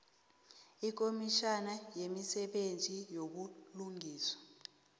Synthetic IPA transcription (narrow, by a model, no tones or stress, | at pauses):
ik̬omiʃanajemisɛɓend͡zʱʼijok̬uluŋʱiːswḁ